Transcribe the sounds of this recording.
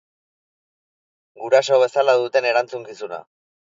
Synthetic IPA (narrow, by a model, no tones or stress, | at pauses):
ɡuɾaso̞β̞e̞salaðut̪e̞ne̞ɾant͡suŋkisuna̰